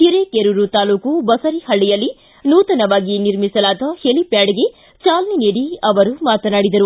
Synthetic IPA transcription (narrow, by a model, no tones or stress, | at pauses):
tiɾekeɾuɾut̪aːluːkubɐsɐɾihɐɭːijɐlːi | nuːt̪ɐnɐʋaːɡiniɾmisɐlaːd̪ɐhelipjaːɽiɡe | t͡ʃaːlɐniniːɽiɐʋɐɾumaːt̪ɐnaːɽid̪ɐɾu